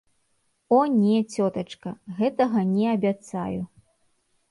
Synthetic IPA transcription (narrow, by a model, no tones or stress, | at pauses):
ɔnʲɛt͡sʲɔt̪ɐt͡ʂkɐɣɛt̪ɐɣɐnʲɛɐbʲat̪sa̰ju